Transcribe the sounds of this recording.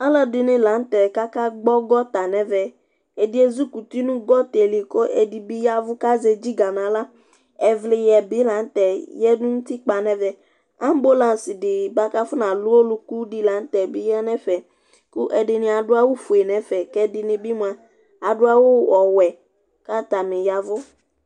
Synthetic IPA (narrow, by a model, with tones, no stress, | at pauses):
ɔ˦lɔ˦dɪ˨nɪ̃˨la˨˦n̩˦t̪ɛ˨ka˦ka˦ɡ͡bɔ˦ɡɔ˦t̪a˨nɛ̃˨vɛ˨ | e˨di˦e˦zu˦ku˨t̪i˦nũ˦ɡɔ˦t̪e˨li˨ko˦ʔe˨di˨bi˦ja˦vʊ˦ka˦ze˨d͡ʒi˦ɡa˨nã˨la˦ | ɛ˨vlɪ˨jɛ˨bi˨˦la˨˦n̩˦t̪ɛ˨jɛ˦nũ˦nũ˦t̪i˦k͡pa˨nɛ̃˦vɛ˨ | a˦m˦bo˦lã˨si˨ɖɪ˨ba˦ka˦fu˦nã˨lu˦wo˦lu˦ku˦ɖi˦la˨˦n̩˦t̪ɛ˨bi˦jɛ˦nɛ̃˦fɛ˨ | ku˦ʔɛ˨ɖɪ˨nĩ˨a˨ɖʊ˦a˨wo˦fu˨e˨nɛ̃˨fɛ˨kɛ˦di˨nĩ˨bi˦mũ˨a˨ | a˨ɖʊ˦a˨wo˦wɔ˨wɛ˨ | ka˦t̪a˨mẽ˨ja˨vʊ˦